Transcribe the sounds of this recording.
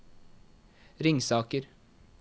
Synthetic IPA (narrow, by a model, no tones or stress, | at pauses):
ɾɪŋsɑːkəɾ